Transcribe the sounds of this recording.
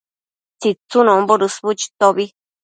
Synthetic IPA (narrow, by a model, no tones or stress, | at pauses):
t͡sit͡sunõmboɾusβut͡ʃi̥t̪oβi